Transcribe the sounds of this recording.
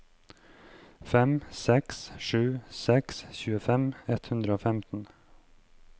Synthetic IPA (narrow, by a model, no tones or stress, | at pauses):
fɛmsɛksʃʉːsɛksçʉːəfɛmɛt̪hʉnd̪ɾəoːfɛmt̪n̩